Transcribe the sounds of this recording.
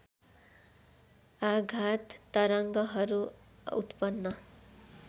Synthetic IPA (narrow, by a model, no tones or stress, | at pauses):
aɡʱat̪ːʌɾʌŋɡʌɦʌɾuut̪pʌnːʌ